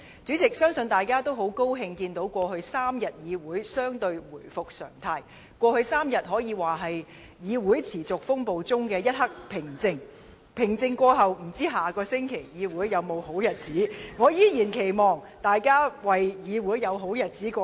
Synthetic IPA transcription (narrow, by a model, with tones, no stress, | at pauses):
t͡syː˨˥t͡sɪ˨k̚sœː˥ŋsɵ˧nt̪aː˨jkaː˥t̪o˥wɦo˨˥wko˥wɦɪ˧ŋkiː˧nt̪o˨˥wkʷɔː˧hɵ˧ɥsaː˥mjɐ˨t̚jiː˨˧wuː˨˥jsœː˥ŋt̪ɵ˧ɥwuː˨˩jfʊ˨k̚sœ̰ː˨˩ŋt̪ʰaː˧˥j | kʷɔː˧hɵ˧ɥsaː˥mjɐ˨t̚ɦɔː˨˥jiː˨˧waː˨˩ɦɐ˨j | jiː˨˧wuː˨˥jt͡sʰiː˨˩t͡sʊ˨k̚fʊ˥ŋpo˨wt͡sʊ˥ŋkɛː˧jɐ˥t̚hɐ˥k̚pʰɪ˨˩ŋt͡sɪ˧ŋ | pʰɪ˨˩ŋt͡sɪ˧ŋkʷɔː˧ɦɐ˨wm̩˨˩t͡siː˥ɦaː˨˩kɔː˧sɪ˥ŋkʰe˨˩jjiː˨˧wuː˨˥jːɐ˨˧wmo˨˧who˨˥wjɐ˨t̚t͡siː˨˥ŋɔː˨˧jiː˥jiː˨˩nkʰe˨˩jmɔː˨˩ŋ | t̪aː˨jkaː˥wɐ˨jjiː˨˧wuː˨˥jjɐ˨˧wɦo˨˥wjɐ˨t̚t͡siː˨˥kʷɔː˧